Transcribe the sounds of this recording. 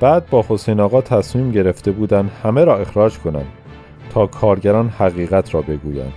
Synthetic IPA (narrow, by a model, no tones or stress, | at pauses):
b̥æːd̪̚bɒːho̞sejnɒːɣɒːt̪ʰæsmiːmɟe̞ɾe̞ft̪e̞buːd̪ænd̪hæmeɾɒːe̞xɾɒːd͡ʒkʰo̞næ̰nd̪ | t̪ʰɒːkʰɒːɾɟæɾɒːnhæɣiːɣæt̪ʰɾɒːbe̞ɡuːjæ̰nd̪̥